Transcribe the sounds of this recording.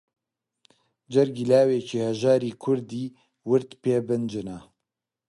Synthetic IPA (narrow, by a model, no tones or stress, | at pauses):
d͡ʒɛɾɡilaːweːcihɛʒaːɾiːkʰʊɾd̪iː | wɨɾt̪peːbɨnd͡ʒɨna